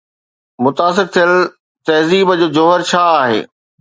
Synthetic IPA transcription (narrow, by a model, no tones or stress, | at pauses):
mʊt̪aːs̬ɪɾt̪ʰijəl | t̪ɐɦziːbəd͡ʑoːd͡ʑoːɦəɾt͡ɕʰaːaːɦḛː